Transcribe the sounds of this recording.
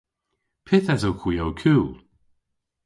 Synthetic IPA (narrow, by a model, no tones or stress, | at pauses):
pʰɪθasowkʰw̥iːowkʰuːlˠ